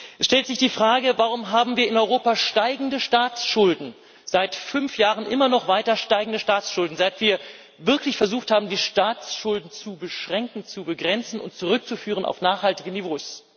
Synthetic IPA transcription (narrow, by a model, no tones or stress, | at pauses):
ʔɛsʃtɛltz̥ɪçd̥iːfʁ̥aːɡəvaʁ̞ʊmɦaːbm̩viːɐɪnɔʏʁoːpaʃtaɪɡŋ̩dəʃtaːt͡sʃʊldn̩ | z̥aɪtfʏnfjaːʁ̞ənʔɪmɐnɔχv̥aɪtɐʃtaɪɡŋ̩dəʃtaːsʃʊldn̩zaɪtv̥iːɐ | vɪɐklɪçfɛɐzuːxthaːbm̩diːʃtaːt͡sʃʊldn̩t͡subəʃʁ̥ɛŋkŋ̩t͡subəɡʁɛnt͡sn̩ʊ̰nt̚t͡suʁʏk̚t͡sufyːʁ̞əna̰ʊfnaːχhaltɪɡənivoːs